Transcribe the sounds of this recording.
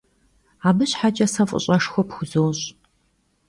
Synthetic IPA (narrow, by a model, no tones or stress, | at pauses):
aːbɨɕħat͡ʃʼɐsɐfʼʊ̰ɕʼɐʂxʷɔpxʷʊzoːɕʼ